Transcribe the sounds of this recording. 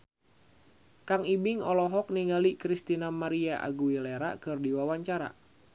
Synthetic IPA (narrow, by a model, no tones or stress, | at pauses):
kaŋibɪŋɔlɔɦɔk̚niŋalikɾist̪inamaɾiaʔa̰ɡuileɾa̰kɨrdiwawaɲt͡ʃaɾa̰